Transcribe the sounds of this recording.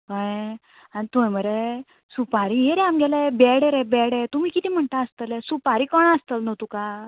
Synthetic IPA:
kəj | anit̪ueməɾe | supaɾiɦeɾɛamɡɛlebɛɽeɾẽbɛɽɛt̪um̤iːkit̪iːm̤əɳt̪aəst̪əlɛsupaɾiːkəɳəst̪əlnɔt̪uka

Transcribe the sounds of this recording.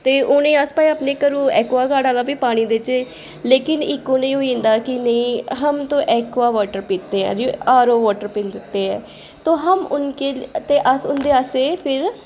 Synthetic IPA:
t̪eːʔʊnẽːəspaːiaːpneːkəɾũːɛːkʋaːɡaːɽaːlaːpiːpaːɽ̃iːd̪et͡ʃeː | leːkɪnɪkːoːnẽːɦoːĩːnd̪aːkɪnəĩːɦəmt̪õːʔɛːkʋaːʋaːʈəɾpiːt̪ːeːɛ̰̃ːɾoaːɾoːʋɔːʈəɾpɪ̃ːnd̪ɪt̪ːeːɛː | t̪oːɦəmʊnkeːt̪eːʔəsʊnd̪eːaseːpʰɪɾ

